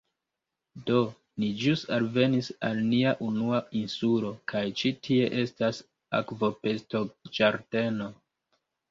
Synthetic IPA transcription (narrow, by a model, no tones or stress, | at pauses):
do̞ | nid͡ʒusalve̞nisalniaʔunuainsulo̞kʰajt͡ʃitʰie̞ʔe̞stas | a̰kvo̞pe̞stod͡ʒaɾde̞no̞